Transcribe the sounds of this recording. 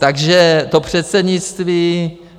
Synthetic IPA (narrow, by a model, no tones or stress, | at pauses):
t̪aɡʒɛt̪o̞pr̝̥ɛt̪sɛdɲɪt͡st̪viː